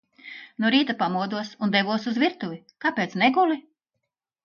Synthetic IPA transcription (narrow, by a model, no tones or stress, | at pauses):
nuɾiːt̪apamuɔd̪uɔsund̪ɛvuɔsuzvʲiɾt̪uvʲi | kapeːt̪snɛɡuli